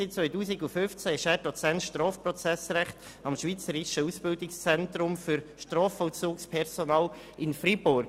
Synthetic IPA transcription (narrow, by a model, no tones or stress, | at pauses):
ɪt͡sʋœʏtuːsɪɡufʏft͡sæɪʃæːɾdɔt͡sɛntʃtɾɑːfprɔt͡sɛsɾæχt̪ | ɑmʃʋiːt͡səɾɪʃəusb̥ɪldɪkst͡sɛntɾʊmfyɾʃtɾɔːfɔlt͡suːkspʰɛɾsɔnɑːl | ɪnfɾibʊɾɡ